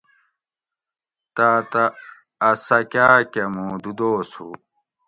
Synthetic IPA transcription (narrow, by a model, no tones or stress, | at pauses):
t̪aːt̪ɐː | sɐkaːkɐmuːd̪ud̪oːsṵ